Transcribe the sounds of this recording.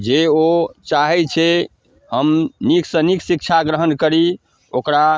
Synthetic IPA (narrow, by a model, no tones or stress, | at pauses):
d͡ʒeot͡ʃaɦɛt͡ʃʰɛ | həmniksə̃niksik̚t͡ʃʰaɡɾəɦənkəɾi | okɾa